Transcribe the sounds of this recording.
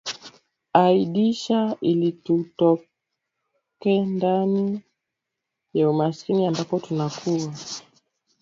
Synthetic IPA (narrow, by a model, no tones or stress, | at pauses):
aiɗiʃailitutɔ | kɛndani | jaumaskiniambapɔtunakʰuwa